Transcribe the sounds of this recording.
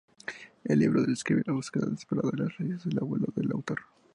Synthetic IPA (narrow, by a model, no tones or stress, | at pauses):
elːiβɾoðeleskɾiβelaβuskeða̰ðespeɾaðaðelaszleʝezðelaβwe̞loðelawt̪o̞ɾ